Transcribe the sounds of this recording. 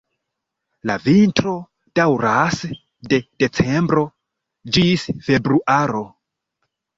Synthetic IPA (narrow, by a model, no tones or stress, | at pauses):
lavintɾo̞ | d̥awɾas | de̞d̥e̞t͡se̞mbɾo̞ | d͡ʒisfe̞bɾuʔaɾo̞